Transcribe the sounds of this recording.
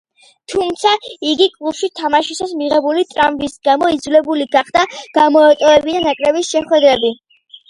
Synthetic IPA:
t̪ʰumt̪sʰaiɡikʼlˠubʃit̪ʰamaʃisasmiʁɛbulit̪ʼɾambisɡamɔid̪zulɛbuliɡaχd̪aɡ̥amɔat̪ʼɔɛbid̪anakʼɾɛbisʃɛχwɛd̪ɾɛbi

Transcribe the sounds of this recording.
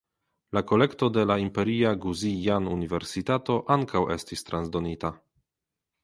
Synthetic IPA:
lako̞le̞kto̞de̞laimpe̞ɾiaɡuzijanunive̞ɾsitato̞ʔaŋkʰawe̞̰stistɾanzdo̞nita

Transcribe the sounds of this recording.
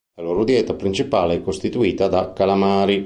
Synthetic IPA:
laloːɾod̪jɛːt̪apɾint͡ʃipaːleɛkːost̪it̪uiːt̪ad̪akːalamaːɾi

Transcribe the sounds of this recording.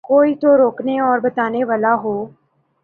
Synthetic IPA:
koːit̪oɾoːkneɔːɾbɐt̪aːneʋaːlaɦoː

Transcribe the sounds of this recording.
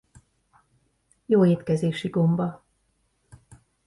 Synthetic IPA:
joːeːt̪kɛzeːʃiɡo̞mbɒ

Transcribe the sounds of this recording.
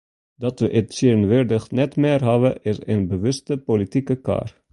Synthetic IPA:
dɑtʋəʔətseːənʋɪrdəχnɛtmɪːrɦɑbəʔɪsənbəʋɵstəpolitikəka̰ːr

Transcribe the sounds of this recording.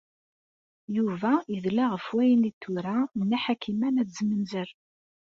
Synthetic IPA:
juvæiðlaʁəfwæjənit̪ːuɾanːæħakimænæt͡szmənzəɾ

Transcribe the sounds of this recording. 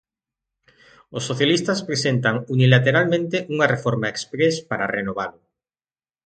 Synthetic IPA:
osːoθjalist̪aspɾesent̪aŋunilat̪eɾalmẽnt̪eʔuŋarefoɾmaekspɾespaɾarenoβ̞alʊ

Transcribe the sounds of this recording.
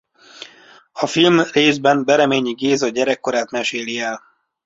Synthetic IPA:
ɒfilmreːzbɛnbɛɾɛmeːɲiɡeːzɒɟɛɾɛkːo̞ɾaːt̪mɛʃeːliɛl

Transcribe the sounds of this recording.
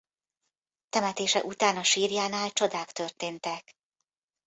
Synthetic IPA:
t̪ɛmɛt̪eːʃɛ̰ʔut̪aːnɒʃiːrjaːnaːlt͡ʃo̞d̪aːkt̪ørt̪eːnt̪ɛk

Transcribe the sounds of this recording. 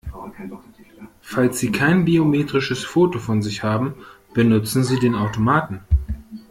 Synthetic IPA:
falsz̥iːkʰaɪnbiomeːtʁ̥ɪʃəsfoːtofɔnzɪçhaːbm̩ | b̥ənʊt͡sn̩ziːdeːnaʊtomaːtn̩

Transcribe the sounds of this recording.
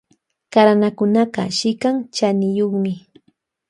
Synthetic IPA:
kaɾanakʊnaqɑ̰ʃɪkaŋt͡ʃanɪjoχmɪ

